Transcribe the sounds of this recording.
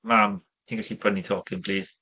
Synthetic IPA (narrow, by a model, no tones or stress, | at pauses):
mam | tʰiːnɡaɬibʰənitʰɔːkʰɪnpʰliːz̥